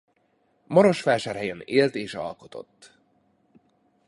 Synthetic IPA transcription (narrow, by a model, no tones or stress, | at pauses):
mɒɾo̞ʃfɛːʃɛrhɦɛjɛneːlt̪eːʃɒ̰lko̞t̪o̞̰t̪ː